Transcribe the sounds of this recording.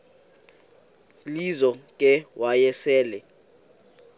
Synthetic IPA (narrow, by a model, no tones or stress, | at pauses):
lizɔkʼɛwajɛsɛːlɛ